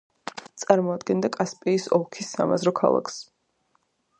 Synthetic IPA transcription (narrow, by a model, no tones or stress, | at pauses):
t̪sʼaɾmɔad̪ɡɛnd̪akʼaspʼɛisɔlˠkʰisːa̰ma̰zɾɔkʰa̰lˠa̰kʰs